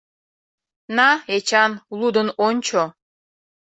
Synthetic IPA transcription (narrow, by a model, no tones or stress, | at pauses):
nɑet͡ɕɑnlˠud̪ənonʲt͡ɕo